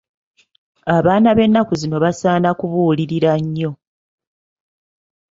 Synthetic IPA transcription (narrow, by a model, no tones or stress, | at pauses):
aβaːnaβe̞nːakuzino̞βasaːnakuβuːliɾiɾaɲːo̞